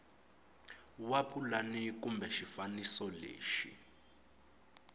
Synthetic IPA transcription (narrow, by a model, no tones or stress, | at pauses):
wapʰulanik̬umbʱɛʃifanisɔlḛːʃḭ